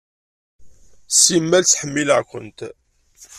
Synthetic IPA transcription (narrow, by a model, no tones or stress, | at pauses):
simːælt͡sːħəmːiləʕkʷə̰nt̪